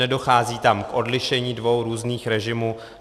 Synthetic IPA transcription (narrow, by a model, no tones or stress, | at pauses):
ɛdo̞xaːziːt̪amkʔo̞dlɪʃɛɲiːdvo̞wɾuːzniːxɾɛʒɪmuː